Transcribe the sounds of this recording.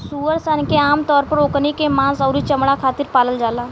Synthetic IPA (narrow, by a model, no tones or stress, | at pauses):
suːəɾsənkeaːmt̪ɔːɾpəɾoːknikemãːsəːɾit͡ʃəmɽakʰaːt̪ɪɾpaːləld͡ʒaːlaː